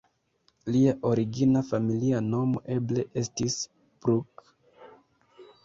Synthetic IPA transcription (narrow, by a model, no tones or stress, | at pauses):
liaʔo̞ɾiɡinafamiliano̞mo̞ʔe̞ble̞ʔe̞stis | pɾuk